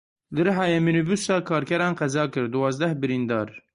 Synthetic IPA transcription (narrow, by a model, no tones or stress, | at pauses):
lɨɾɦɑːjɛminubusɑːkʰɑːɾkʲɛɾɑːnqɛzɑːkɨɾd̪uwɑːzd̪ɛhbɨɾind̪ɑːɾ